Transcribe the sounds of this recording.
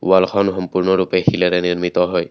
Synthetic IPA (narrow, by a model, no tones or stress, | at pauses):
walkʰɔnxɔmpuɹnɔɹupɛxilɛɾɛniɹmit̪ɔɦɔj